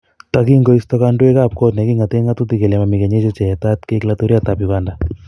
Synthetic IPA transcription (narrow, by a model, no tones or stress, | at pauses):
t̪akiŋɡoist̪ɔkandwekap̚kɔt̪nɛkiŋat̪eŋat̪ut̪ikelɛmamikeɲet͡ʃot͡ʃɛt̪at̪keklat̪uɾiat̪apjuɡanda